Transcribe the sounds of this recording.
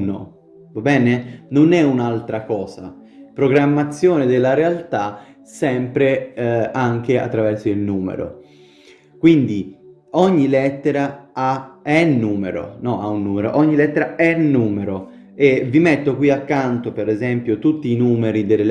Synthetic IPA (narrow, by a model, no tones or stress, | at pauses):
no̰ | obɛːnenonɛunalt̪ɾakɔːsa | pɾoɡɾamːat̪sːjoːned̪elːaɾealt̪a | sɛmpɾeaŋk̟ea̰t̪ːɾavɛrsoilnuːmḛɾo̰ | kwind̪i | ɔɲːilɛt̪ːeɾaaɛnːuːmeɾo̰nɔaunːuːmeɾo̰ʔɔɲːilɛt̪ːeɾaɛnːuːmeɾo | evimɛt̪ːokwiakːant̪opeɾɛzɛmpjot̪ut̪ːiːnuːmeɾid̪ele